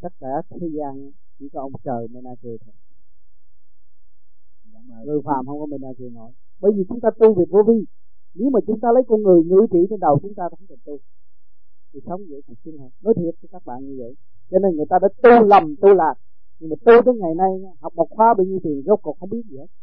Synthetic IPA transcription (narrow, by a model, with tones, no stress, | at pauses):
t̪ə˦˥t̚kaː˧˩t̪ʰe˨˦zaː˧n˧˦ | t͡ɕḭ˧˩t͡ɕɔ˧˩ʔə˧wŋ͡mt͡ɕəː˨˩jme˧naː˧si˧˩t̪ʰo˨˩j | ŋə˨˩jfaː˨˩mhə˧wŋ͡mkɔ˨˦me˧naː˧zi˧nɔ˧˩j | ɓə˧jziː˨˩t͡ɕʊ˨˦ŋ͡mt̪aː˧t̪u˧ve˨˩vo˧vi˧ | ne˨˦wmaː˨˩t͡ɕʊ˨˦ŋ͡mt̪aː˧lə˨˦jkɔ˧nŋɨ˨˩əjŋɨ̰˧˥t̪ḭ˧˩t͡ɕe˧nɗə˨˩wt͡ɕʊ˨˦ŋ͡mt̪aː˧t̪a˨˦ŋkə˨˩nt̪u˧ | t̪ʰi˨˩sa˨˦wŋ͡mzə̰˧˨jki˨˩k̚si˧ŋ̟t̪a˧˩nɔ˨˦jt̪ʰi˨˩ət̚t͡ɕəː˨˦kaː˦˥k̚ɓa̰ː˧˨nɲɨ˧və̰˧˨j | t͡ɕɔ˧ne˧nŋɨ˨˩əjt̪aː˧ɗa̰ː˧˥t̪u˧lə˨˩mt̪u˧laː˨˩k̚ | ɲi˧˩maː˨˩t̪u˧t̪e˨˧˦ŋa˨˩jna˧jɲaː˧ɦa˨˩wk͡p̚ɓɔ˨˩wk̚xwaː˧˦ɓə˧ɲi˧wt̪i˨˩əŋzk͡p̚kɔ˨˩xə˧wŋ͡mɓi˦˥ət̚zi˨˩he˦˥t̚